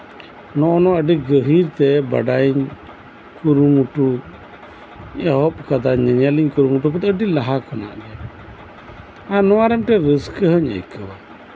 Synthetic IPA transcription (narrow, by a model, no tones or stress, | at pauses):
nɔʔɔnɔəɖiɡəɦiɾt̪ɛba̰ɖajiɲ | kuɾumuʈu | aɦɔp̚kad̪aɲəɲaliɲkuɾumuʈuk̬ɔt̪əɖilaɦakɔna̰ʔdɛa | anɔwaɾɛmʈɛɾəskəɦəɲə̰jkəwa